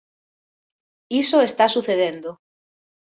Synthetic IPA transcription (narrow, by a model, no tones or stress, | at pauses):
isoest̪asuθeð̞end̪o